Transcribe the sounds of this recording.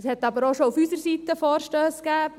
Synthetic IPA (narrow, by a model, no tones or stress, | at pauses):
shɛt̪ːɑbəɾoːʃoufysəɾsiːt̪əfɔːɾʃtøːskæː